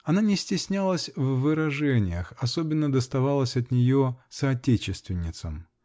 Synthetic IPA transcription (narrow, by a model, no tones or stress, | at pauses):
ɐnanʲɪsʲtʲɪsʲnʲalˠəsʲvːɨɾɐʐɛnʲɪjəxɐsobʲɪnːəd̪əst̪ɐvalˠəsʲɐt̪nʲɪjosɐːtʲet͡ɕɪst̪vʲɪnʲːɪt̪səm